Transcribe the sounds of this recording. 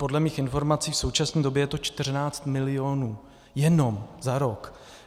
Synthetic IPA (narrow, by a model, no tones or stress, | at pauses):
po̞dlɛmiːxɪnfo̞ɾmat͡siːfso̞wt͡ʃasniːdo̞bjɛjɛt̪o̞t͡ʃt̪ɪr̝naːt͡st̪mɪlɪjo̞nuː | jɛno̞mzaɾo̞k